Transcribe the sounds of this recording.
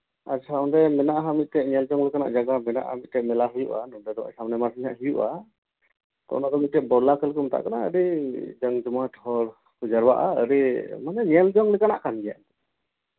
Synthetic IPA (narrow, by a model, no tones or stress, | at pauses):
aɾsʰaɔndɛmɛnaʔaɦamit̪̚tɛʔɲɛld͡ʒɔŋlɛkana̰ʔd͡ʒaɡamɛna̰ʔa̰mit̪̚tɛʔmɛlaɦujuʔa̰nɔdɛd̪ɔa̰samnɛmaɾsiɲaʔɦujuʔa | t̪ɔ̰ʔnad̪ɔmit̪̚tɛʔ̚bɔɾlakɛlukumt̪a̰ʔkanaə̰ɾid͡ʒaŋd͡ʒɔmaʈhɔɾ | kud͡ʒaɾbaʔaəɾimanɛɲɛld͡ʒɔŋlɛkanaʔkanɡɛja̰ʔnt̪ɛ